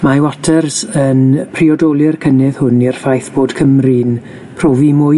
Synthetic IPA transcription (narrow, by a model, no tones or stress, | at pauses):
mawɔtʰərsənpʰriɔdɔlˠɨrkʰənɪðhʊnirfajθb̥oːd̥kʰəmrin | pʰr̥ɔːvimʊ